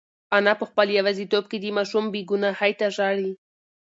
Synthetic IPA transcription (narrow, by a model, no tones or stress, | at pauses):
anapəxpəljawazit̪ob̚ked̪imɑʃumbeɡunahajt̪aʒɑɽi